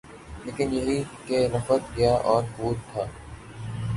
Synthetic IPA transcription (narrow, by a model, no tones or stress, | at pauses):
leːkɪnjɐɦikenɐfət̪̚ɡɐjaʔɔːɾkuːɾt̪ʰaː